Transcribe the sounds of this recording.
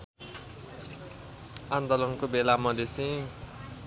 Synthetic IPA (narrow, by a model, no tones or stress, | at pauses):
ant̪ɔlʌnkobelamʌd̪esĩ